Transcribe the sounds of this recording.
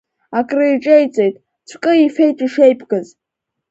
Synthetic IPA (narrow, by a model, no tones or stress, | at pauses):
akʼrɨiʈ͡ʂʼejt͡sʼejtʼ | t͡ʃʷʰkʼɨife̞jtʼiʂejpʰʼɡaz